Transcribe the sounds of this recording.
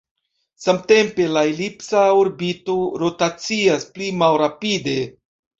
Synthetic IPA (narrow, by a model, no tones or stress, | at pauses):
samte̞mpe̞laelipsaoɾbito̞ɾo̞tat͡siasplimalɾapide̞